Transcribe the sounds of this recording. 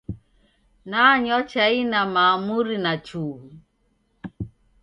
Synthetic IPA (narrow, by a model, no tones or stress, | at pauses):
naɲɔt͡ʃainamaːmuɾinat͡ʃuː